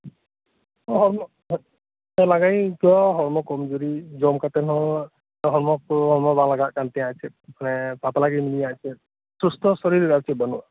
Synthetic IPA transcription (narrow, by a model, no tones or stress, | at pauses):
ɔɦɔɹmɔ | ɛlaɡajkiaɦɔɹmɔkɔmzuɾizɔmkatɛnɔ | ɦɔɹmɔk̚hɔɹmɔbaŋlaɡaʔkantɛãasɛ | manɛpapalaɡɛminijasɛt̚ | sustɔsɔɹiɾasʰɛbanua